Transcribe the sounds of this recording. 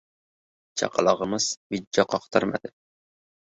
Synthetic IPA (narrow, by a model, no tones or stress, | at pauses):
t͡ʃʰɑ̰qɑlˠɑʁəmɨz̥vɪd͡ʒːɑqʰɑqt̪ʰɑɾma̰d̪ɪ